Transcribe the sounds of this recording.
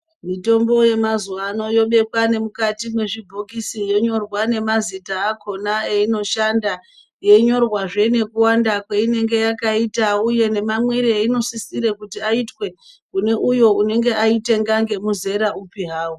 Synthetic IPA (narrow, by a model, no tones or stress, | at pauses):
mito̞mbo̞je̞mazuʋaːno̞jo̞ɓe̞kwane̞mukatimwe̞ʐibʱo̞kisijo̞ɲo̞rwane̞mazitaːkʰo̞naeino̞ʃanda | je̞ɲo̞rwaʐe̞ne̞kuwandakwe̞ine̞ŋɡe̞jakaitauje̞ne̞mamweɾieino̞sisiɾekutiaitwe̞kune̞ʔujo̞une̞ŋɡe̞ʔaite̞ŋɡaŋɡe̞muze̞ɾaupiɦaːwu